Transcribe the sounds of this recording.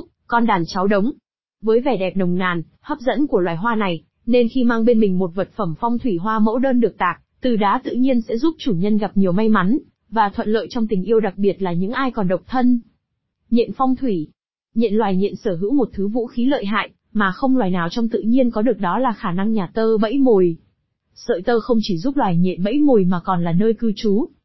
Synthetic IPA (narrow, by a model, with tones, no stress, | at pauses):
kɔ˧nɗaː˨˩nt͡ɕa˨˦wɗə˨˦wŋ͡m | vəː˨˦jvɛ˧˩ɗɛ˨˩p̚ɗə˨˩wŋ͡mna̰ː˨˩n | həː˦˥p̚zə̰˧˥nku˧˩əlwaː˨˩jɦwaː˧na˨˩j | ne˧nxi˧maː˧ŋɓe˧nmï˨˩ŋ̟mo˨˩t̚və˨˩t̚fə˧˩mfɔ˧wŋ͡mt̪ʰwi˧˩ɦwaː˧mo̰˧˥ɗəː˧nɗɨ˨˩ək̚t̪aː˨˩k̚t̪ɨ˨˩ɗaː˨˦t̪ɨ̰˧˨ɲi˧ənsɛ̰˧˥zu˦˥p̚t͡ɕu˧˩ɲə˧nɣa˨˩p̚ɲi˨˩əwma˧jma˨˦n | vaː˨˩t̪ʰwə̰˧˨nlə̰ː˧˨jt͡ɕɔ˧wŋ͡mt̪ï˨˩ŋ̟ʔi˧əwɗa˨˩k̚ɓi˨˩ət̚laː˨˩ɲɨ̰˧˥ŋʔaː˧jkɔ˨˩nɗə˨˩wk͡p̚t̪ʰə˧n | ɲɛ̰˧˨nfɔ˧wŋ͡mt̪ʰwi˧˩ | ɲɛ̰˧˨nlwaː˨˩jɲḭ˧˨nsəː˧˩ɦɨ̰˧˥wmo˨˩t̚t̪ʰɨ˨˦vṵ˧˥xi˨˦lə̰ː˧˨jɦa̰ː˧˨j | maː˨˩xə˧wŋ͡mlwaː˨˩jnaː˨˩wt͡ɕɔ˧wŋ͡mt̪ɨ̰˧˨ɲi˧ənkɔ˨˦ɗɨ˨˩ək̚ɗɔ˨˦laː˨˩xaː˧˩na˧ŋɲaː˨˩t̪əː˧ɓə̰˧˥jmo˨˩j | sə̰ː˧˨jt̪əː˧xə˧wŋ͡mt͡ɕi˧˩zu˦˥p̚lwaː˨˩jɲɛ̰ḭ˧˨nɓə̰˧˥jmo˨˩jmaː˨˩kɔ˨˩nlaː˨˩nəː˧jkɨ˧t͡ɕu˨˦